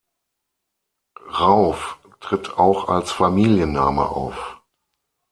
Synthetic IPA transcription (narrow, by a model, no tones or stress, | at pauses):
ʁaʊf | tʁ̥ɪtʰaʊxalsfamiːljənːa̰ːmə̰ʔa̰ʊf